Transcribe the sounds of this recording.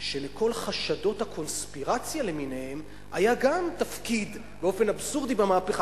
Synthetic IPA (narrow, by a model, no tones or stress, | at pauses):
ʃemeko̞lχaʃado̞thakʰo̞nspiʁat͡sjale̞minehem | ajaɡamtafkid̪ | beo̞fe̞nabsuʁd̪ibamaːpeχa